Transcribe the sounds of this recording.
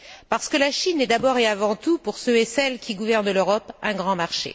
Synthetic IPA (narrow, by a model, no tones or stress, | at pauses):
paʁsə̥kəlaʃinɛd̪abɔʁeavɑ̃t̪upuʁsøɛsɛlkʲiɡuvɛʁnløʁɔpɛ̃ɡʁɑ̃maʁʃḛ